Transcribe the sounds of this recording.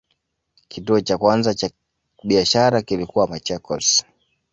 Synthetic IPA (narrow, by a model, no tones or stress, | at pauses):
kʰituɔt͡ʃakwanzat͡ʃa | ɓiaʃaɾakilikuwamat͡ʃɛkɔs